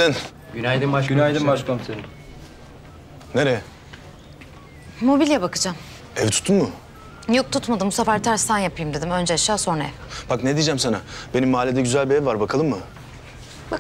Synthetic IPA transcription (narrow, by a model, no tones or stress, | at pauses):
in | ɟynajd̪iaynajd̪imbaʃkamse | neɾɛ | o̞bilʲjabakɯd͡ʒam | ɛvt̪ʰu̥t̪ʰːunmʊ | jok̚t̪ʰut̪mad̪ɯmsafaɾt̪ʰæɾst̪ʰanjapʰɯjɯmd̪e̞d̪imø̞nd͡ʒɛaʃaːso̞nɛ̰vbakned̪iːd͡ʒæmsanabe̞nimːaːlʲːed̪ɛɟyzælʲbiɛvvaɾbakʰalˠɯmːɯ | ba